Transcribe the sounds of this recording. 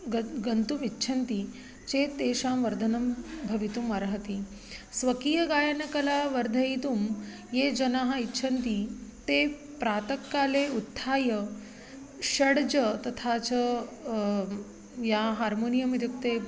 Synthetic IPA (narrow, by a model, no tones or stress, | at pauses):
ɡɡənt̪umitːɕʰɐnt̪i | t͡ɕet̪eːɕaːmʋɐɾd̪ʱənɐmbʱɐʋit̪uməɾɦɐt̪i | sʋɐkiːjɐɡaːjɐnɐkɐlaʋɐɾd̪ʱɐjit̪um | jed͡ʒɐnaɦaitːɕʰɐnt̪it̪e | pɾat̪əkːaːleut̪ʰːaːjə | ɕɐɽd͡ʑət̪ɐt̪ʰat͡ɕə | jaɦaːɾmonijɐmid̪ukt̪e